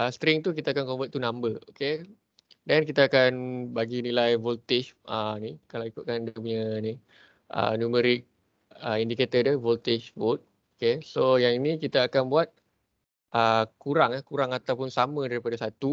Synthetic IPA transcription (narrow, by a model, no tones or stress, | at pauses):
əsət̪ɾɪŋt̪uk̬it̪aakankombat̪t̪ːunãmbəoke | dɛnkit̪aːkanbaɡinilajvɔlt̪iʃənikalawikʊt̪̚kandəmɲəni | ʔə̰numəɾɪk̚ | əindiket̪ədəvolt̪ɪʃvot̪̚ | okesojaŋinĩkit̪aːkanbuat̪̚ | ʔəkuɾaŋahkuɾaŋat̪awpʊnsamə̃daɾipadasat̪u